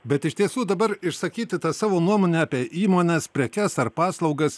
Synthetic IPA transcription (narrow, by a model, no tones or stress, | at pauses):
bʲɛt̪ɪʃt̪ʲiɛsuːd̪ɐbɐɾɪʃsɐkʲiːt̪ʲɪt̪ɑsɑːʋoːnuɔmoːnʲɛɑːpʲiɛʔiːmoːnʲɛspʲɾʲɛkʲɛsɐɾpɑːslˠɒʊɡɐs